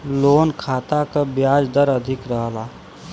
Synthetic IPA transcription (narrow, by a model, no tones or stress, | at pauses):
loːnkʰaːt̪akabjaːd͡ʒd̪əɾəd̪ʱɪkɾəɦəlaː